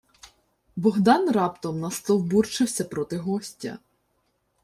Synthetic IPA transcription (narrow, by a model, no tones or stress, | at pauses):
bɔɦd̪ɑnrɑpt̪ɔmnɐst̪ɔwburt͡ʃɪwsʲɐpɾɔt̪ɪɦɔsʲtʲɐ̰